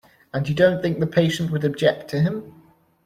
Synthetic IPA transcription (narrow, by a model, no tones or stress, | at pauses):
ə̃njədõʊ̃nθɪ̃ŋk̚ðəpʰeɪʃə̃nʔwədəb̚d͡ʒɛk̚tʰəɪ̃m